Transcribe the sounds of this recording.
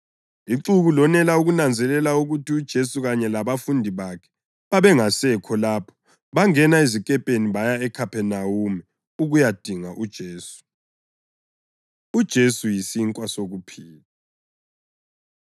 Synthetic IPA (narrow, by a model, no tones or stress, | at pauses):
iǁuɣulɔnɛlauɣunand͡zʱɛlɛlauɣutʰiud̥ʒ̥ʱesuɣaɲɛlaβafundʱiβakʰɛ̥ | βaβɛŋasɛkʰɔlaːpʰɔ̥ | βaŋɛnaezikʼɛpʼeniβajaɛkʰapʰɛnawumɛ | uɣujad̥ʱiŋaʔud̥ʒ̥ʱeːsu̥ | ud̥ʒ̥ʱesujisiŋkʼwasoɣupʰiːla